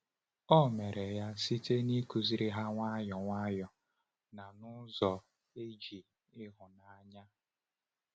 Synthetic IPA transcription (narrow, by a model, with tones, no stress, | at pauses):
ɔ˦me˨ɾe˨ja˦si˦te˦ni˦ku˨zi˦ɾi˦ɦa˦ŋʷa˦jɔ˨ŋʷa˦jɔ˨ | na˨nʊ˦zɔ˨ | e˦d͡ʒi˨ | ɪ˦ɦʊ˨na˨a˨ɲa˦